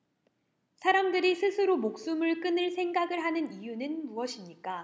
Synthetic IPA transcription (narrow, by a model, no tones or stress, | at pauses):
sʰaɾamdɯɾisʰɯsʰɯɾomok̚s͈umɯɭk͈ɯnɯɭsʰe̞ŋɡaɡɯɭɦanɯnijunɯnmuʌɕʰimɲik͈a